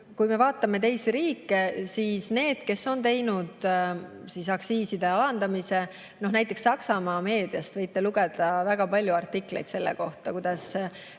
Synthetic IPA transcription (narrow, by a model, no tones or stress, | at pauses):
kujme̞vɑːt̪ːˑɑme̞t̪e̞jsiɾiːkːe̞siːsne̞ːd̪̥ke̞sːo̞nt̪e̞jnud̪̥ | sisɑksiːsid̪̥e̞ɑlɑnd̪ɑmise̞ | no̞hnæjt̪ːˑe̞ksːɑksɑmɑːme̞ːd̪̥ijɑst̪vɤ̞jt̪ːˑe̞luɡe̞d̪̥ɑvæɡ̥ɑpɑlʲjuɑrt̪ːˑiklejt̪se̞lːḛko̞ht̪ɑkujd̪̥ɑs